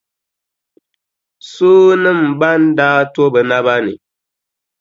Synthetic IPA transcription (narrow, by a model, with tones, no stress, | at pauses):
suː˦nɨ˦m̩˨ba˦n˦daː˦to˦bɛ˨na˦βa˦nɨ̰˨